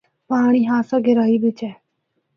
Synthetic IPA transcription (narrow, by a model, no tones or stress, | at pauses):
paːɳ̃iːɦãːsaɡɪɾaːiːbɪt͡ʃɛː